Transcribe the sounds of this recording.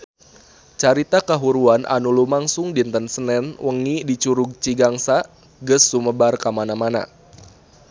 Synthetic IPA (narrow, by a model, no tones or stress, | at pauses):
t͡ʃaɾit̪akaɦuɾuanʔa̰nulumaŋsʊŋdint̪ənsənɛnwəŋidit͡ʃuɾuɡ̚t͡ʃiɡaŋsa | ɡəsːuməbarkamanamana̰